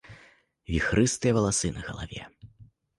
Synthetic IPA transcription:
vʲixɾɨst̪ɨjɐvɐlˠasɨnɐɣɐ̰lˠa̰vʲɛ̰

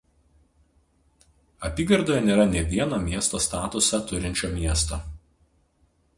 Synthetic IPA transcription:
ɐpʲiːɡɐɾd̪oːjɛnʲeːɾɐnʲɛʋʲiɛnɐmʲiɛst̪oːst̪ɑːt̪ʊsɐt̪ʊɾʲɪnʲt͡ʃʲoːmʲiɛst̪oː

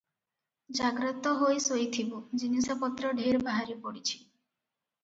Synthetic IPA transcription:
d͡ʒaɡɾɔt̪ɔɦojsojt̪ʰibud͡ʒinisɔpɔt̪ɾɔɖʱeɾbaɦaɾipɔɽit͡ʃʰi̥

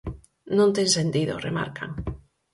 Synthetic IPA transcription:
nõnt̪eŋsent̪iðo̰rema̰ɾkʰa̰ŋ

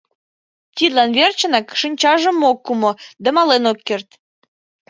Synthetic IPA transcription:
t̪ʲid̪lɑnβert͡ɕə̆nɑkʃinʲt͡ɕɑʒə̆mokːumod̪ɑmɑlenokːert̪

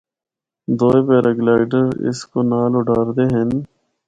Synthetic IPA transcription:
d̪oːeːpeːɾʔəɡlaːɪɖəɾɪ̰skoːnaːlʊɖʱaːɾd̪eːɦən

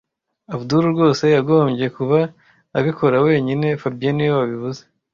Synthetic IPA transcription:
aβuduɾuɾɡo̞ːse̞jaɡo̞ːmɟe̞kuβaː | βikʰo̞ɾawe̞ːɲine̞fabijenijowaβiβuze̥

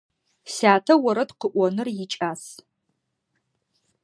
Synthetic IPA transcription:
saːtʰɐwɐɾɐdqəʔʷɔnɨrjɪt͡ʃʼaːs

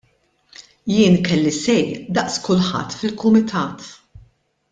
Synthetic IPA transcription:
jɪːnkɛlːisɛjd̪ɐʔskʊlħɐ̰t̪ːfɪlkʊmɪt̪ʰɐːt̪

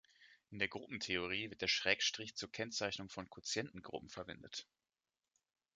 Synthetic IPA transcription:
ʔɪndeːɐɡʁʊpm̩tʰeoʁ̞iːvɪɐt̚d̥eːɐʃʁ̥ɛːkʃtʁ̥ɪçt͡suːɐkʰɛnt͡saɪçnʊŋfɔnkʰʊt͡sjɛntn̩ɡʁʊ̰pm̩fɛɐvɛ̰ndət

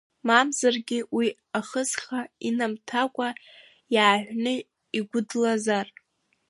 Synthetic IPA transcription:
mamzarɡʲɪwi | aχəzχainamtʰakʷʼa | jaːʕᶣʷnɨ | iɡʷʊdlazar

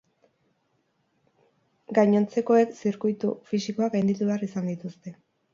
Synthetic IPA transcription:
ɡajɲo̞nt͡se̞ko̞e̞ksiɾkujt̪ṵfisiko̞aɡajnd̪it̪uβe̞arisand̪it̪ust̪e̞

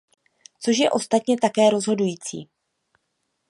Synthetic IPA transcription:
t͡so̞ʃjɛʔo̞st̪at̪ɲɛt̪akɛːɾo̞zɦo̞dujiːt͡sḭː

